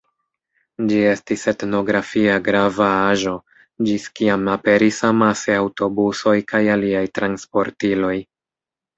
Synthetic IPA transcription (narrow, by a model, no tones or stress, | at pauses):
d͡ʒie̞stise̞tno̞ɡɾafiaɡɾavaaʒo̞ | d͡ʒiskiamape̞ɾisamaseawto̞buso̞jkajaliajtɾanspo̞ɾtilo̞j